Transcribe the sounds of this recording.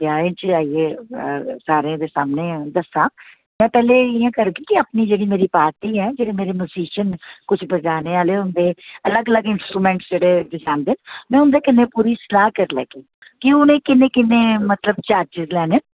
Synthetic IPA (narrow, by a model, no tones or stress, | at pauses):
pjaːẽt͡ʃaːiːeː | saːɾẽd̪eːsaːmneːd̪əsãː | mɛ̃ːpɛːleɪjãːkəɾɡiːkɪəpniːd͡ʒeːɽiːmeːɾiːpaːɾt̪iːɦɛːd͡ʒeːɽeːmeːɾeːmjʊːziːʃənkʊt͡ʃʰbəd͡ʒaːneːaːleːʊnd̪eːələɡələɡɪnsʈɾuːmɛ̃ːɳʈsd͡ʒeːɽed̪esaːmd̪eːmɛ̃ːʊnd̪eːkɪnːẽːpuːɾiːsɪlaːɦkəɾlɛ̰ːkeː | kiʊnẽːkɪnːẽːkɪnːẽːmət̪ləbt͡ʃaːɾd͡ʒɪzlɛːneː